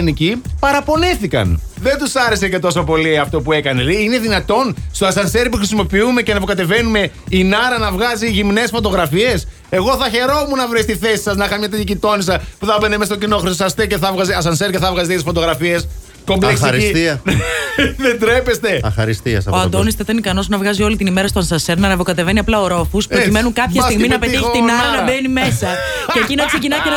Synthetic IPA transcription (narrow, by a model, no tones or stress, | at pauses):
nicipɐɾɐpo̞niθikɐ̰n | ðe̞nt̪usɐɾe̞se̞ce̞t̪o̞sopo̞liɐft̪o̞pue̞kɐneleine̞ðinɐt̪o̞nst̪oɐsɐnseɾpuxɾisimo̞piume̞cenɐpokɐt̪e̞ve̞nume̞ | inɐɾɐnɐvɣɐziʝimne̞sfo̞t̪o̞ɣɾɐfie̞s | e̞ɣo̞θɐçe̞ɾo̞munɐvɾist̪iθe̞si̥sɐznɐixɐmɲɐt̪eɐcit̪o̞nisɐpuθɐbenemesɐt̪ocinoxɾisosɐst̪eceθɐvɣɐzeɐs̬ɐnseɾceθɐvɣɐzet̪iet̪isfo̞t̪o̞ɣɾɐfie̞s | ko̞mbleksɾiiiɐ | ðed̪ɾepe̞st̪e̞xɐɾist̪iɐ̰sɐoɐnd̪onist̪eit̪ɐnikɐno̞sunɐvɣɐzio̞lit̪inime̞ɾɐst̪oɐnsɐseɾnɐnɐpo̞kɐt̪e̞ve̞niɐplɐoɾo̞fuspɾocime̞nuŋkɐpçɐst̪iɣmminɐpeiçt̪inɐɾɐnɐbenimesɐ | cecinɐksecinɐenɐ